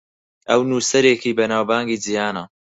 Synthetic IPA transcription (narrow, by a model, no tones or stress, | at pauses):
ʔɐwnuːsɐɾeːkiːbɐnaːwbaːŋɡiːd͡zijaːnɐ